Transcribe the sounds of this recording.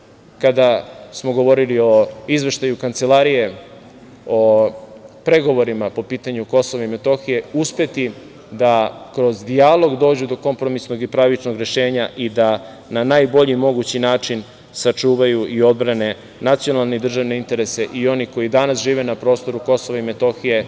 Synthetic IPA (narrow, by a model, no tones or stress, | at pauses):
kad̪asmo̞ɡo̞ʋo̞ɾilio̞izʋe̞ʃt̪ajukant̪se̞laɾije̞ | o̞ | pɾe̞ɡo̞ʋo̞ɾimapo̞piːt̪aɲuko̞soʋaime̞t̪o̞xije̞uspe̞t̪i | d̪akɾo̞zd̪ialo̞ɡd̪o̞ːd͡ʑud̪o̞ko̞mpɾo̞misno̞ɡipɾaʋit͡ʃnoɡɾe̞ʃe̞ːɲaʔid̪a | nanaːjbo̞ʎimo̞ɡut͡ɕinaːt͡ʂin | sat͡ʂuːʋajuʔio̞d̪̚bɾane̞ | nat̪sio̞nalˠned̪r̩ʒaʋne̞int̪e̞ɾe̞se̞ʔio̞niko̞jid̪anasʒiːʋe̞napɾo̞st̪o̞ɾuko̞so̞ʋaimet̪o̞xije̞